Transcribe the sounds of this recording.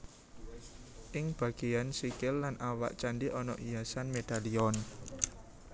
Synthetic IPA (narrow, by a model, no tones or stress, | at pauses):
ʔɪŋb̥a̤ɡ̥ejansikɪlːanʔawa̰ʔt͡ʃaɳɖiʔɔnɔ̰ʔijasanmed̪̥aliɔn